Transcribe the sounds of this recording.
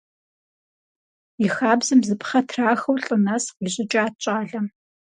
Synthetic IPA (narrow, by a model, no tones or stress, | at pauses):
jixaːbzɨmzɨpχɐtʰraːxɐwɬʼɨnɐsqʷiːʑɪt͡ʃʼaːt͡ʃʼaːɮɐ